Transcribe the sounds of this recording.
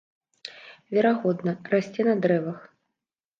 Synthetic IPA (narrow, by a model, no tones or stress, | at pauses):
vʲɛɾaɣɔd̪nɐrasʲt͡sʲɛnɐd̪ɾɛvɐx